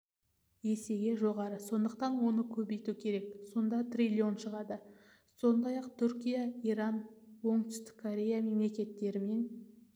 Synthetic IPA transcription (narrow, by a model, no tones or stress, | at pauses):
je̞se̞ɡʲe̞ʒo̞ʁɑɾəso̞nd̪əq̚t̪ɑnwo̞nəkʲʰɵbe̞jt̪ukʲʰe̞ɾe̞k̚so̞nd̪ɑt̪ʰrʲilʲio̞nʃəʁɑd̪ə | so̞nd̪ɑjɑqt̪ʰʏɾkʲijaijɾɑnwo̞ɴt̪ʏ̥st̪ɪ̥kʰːoɾʲe̞jame̞mle̞kʲe̞t̪ːe̞ɾɪme̞n